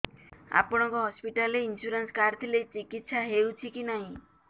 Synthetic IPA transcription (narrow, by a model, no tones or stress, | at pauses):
a̰pɔɽ̃ɔŋkɔɦɔspiʈaleinsuɾanskaɾt̪ʰilejt͡ʃikit̪ːsaɦewt͡ʃʰikinaɦĩ